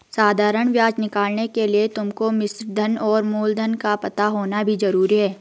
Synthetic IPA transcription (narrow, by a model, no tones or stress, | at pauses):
saːd̪ʱaːɾəɽ̃ʋjaːd͡ʒnɪkaːlnekeliet̪ʊmkomɪsɾd̪ʱɐnɔːɾmoːld̪ʱənkapɐt̪aɦoːnabʱizɐɾuːɾiɦɛː